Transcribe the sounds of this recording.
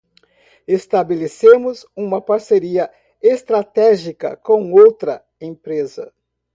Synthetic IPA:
est̪abelesẽmʊzũmɐpaɾseɾiɐ | est̪ɾat̪ɛʒikɐ̰kõw̃owt̪ɾɐ | ẽpɾezɐ̰

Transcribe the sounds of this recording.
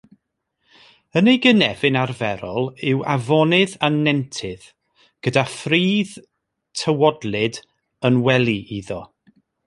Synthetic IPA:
ənejɡənɛv̥ɪnarvɛɾɔlˠɪwavɔnɪðanɛntʰɪð̥ | ɡ̥ədafriːð | tʰəwɔdlˠɪd | ənwɛlˠiʔiðɔ

